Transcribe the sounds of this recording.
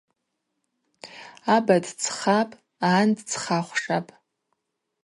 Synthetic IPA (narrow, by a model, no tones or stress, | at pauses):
abadt͡sʰχapʼ | aːndt͡sʰχaχʷʂapʼ